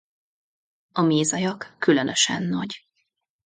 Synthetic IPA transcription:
ɒmeːzɒjɒkːylønʔøʃɛ̰nːɒɟ

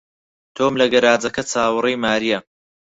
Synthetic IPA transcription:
t̪ʰoːmlɐɡɐɾaːd͡zɐkɐt͡sʰaːwɨrijmaːɾijɐ

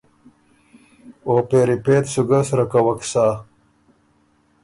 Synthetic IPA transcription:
oːpeːɾipeːt̪suɡɐsɾɐkɐwɐksaː

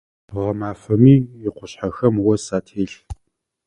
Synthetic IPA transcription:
ʁɐmaːfɐmiːɪqʷʊɕħaxɐmwɐsaːtʰeːɬ

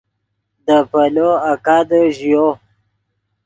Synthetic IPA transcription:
d̪əpaloakad̪əʒjo

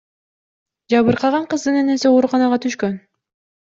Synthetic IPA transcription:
d͡ʒɑβɯɾqʰɑʁɑɴqɯzd̪ɯneneseoːɾuqɑnɑʁɑt̪ʰyʃkøn

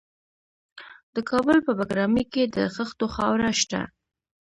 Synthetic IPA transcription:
d̪̥əkʰɑbəlpəbaɡɾɑməked̪ə̰ɣəxt̪oxɑwɾaʃt̪a̰

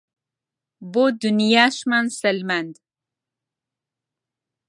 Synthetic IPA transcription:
bod̪ʊnjaʃmansalmand̪

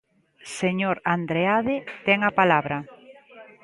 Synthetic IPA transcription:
seɲoɾand̪ɾeaðet̪ɛŋapalaβɾɐ

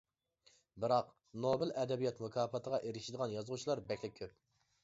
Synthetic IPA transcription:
bɨɾɑq | nobɨlɛd̪ɛbijɛt̪mukʰɑːfɑt̪ʰəʁɑʔeɾɪʃid̪əʁɑnjɑzʁut͡ʃʰilˠɑɾbɛkʲlɪkʲʰːøp̚

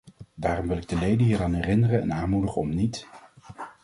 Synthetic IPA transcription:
daːrɔmʋɪlɪɡ̚dəlejdənɦiːraːnɦɛrɪnərənɛ̰naːnmudəχəɔmnit

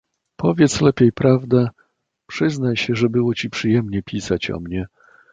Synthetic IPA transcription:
pʰɔvʲjɛt̪slɛpʲejpɾavd̪ɛ | pʂɘznajɕɛʐɛbɘwɔt͡ɕipʂɘjɛmɲɛpʲisat͡ɕɔ̰mɲɛ

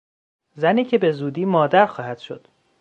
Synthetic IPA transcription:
zæniːcʰe̞be̞zuːd̪iːmɒːd̪æɾxɒːhæd̪̥ʃod̪̥

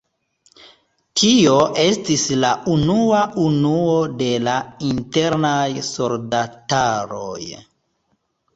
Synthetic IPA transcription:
tʰio̞ʔe̞stislaʔunuaʔunuo̞de̞lainte̞ɾnajso̞ldataɾoj

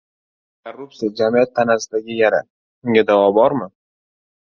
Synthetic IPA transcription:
kʰarːup̚tsijad͡ʒamijat̪ʰːanasɪd̪aɡʲɪjaɾa̰ | ʊŋʲad̪avɒbɒɾmɪ

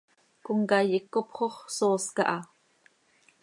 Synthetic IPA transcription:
kʊŋkɑjikːopχoχsoːskɑʔɑ

